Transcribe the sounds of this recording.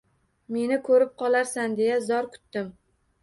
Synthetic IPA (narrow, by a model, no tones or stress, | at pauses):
me̞nɪkʰɵɾɪp̚qʰɒlaɾsand̪e̞jazɒɾkʰʊ̥t̪ːɪm